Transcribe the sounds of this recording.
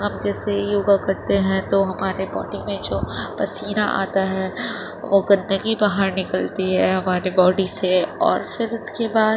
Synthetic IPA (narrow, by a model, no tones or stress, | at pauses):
ɦɐmd͡ʒɛːsejoːɡakɐɾt̪eɦɛ̃t̪oɦɐmaːɾebɔ̰ːɖimẽd͡ʒoːpɐsiːɾaʔa̰ːt̪aɦɛː | ʋoɡɐ̃nd̪əɡibaɦəɾnɪkəlt̪iɦɛɦɐmaːɾebɔːɖiseɔ̰ːɾfɪɾʊskebaːd̪